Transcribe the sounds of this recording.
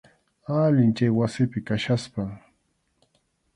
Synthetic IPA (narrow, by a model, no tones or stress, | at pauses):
alɪnt͡ʃajwasɪpɪkaʃaspa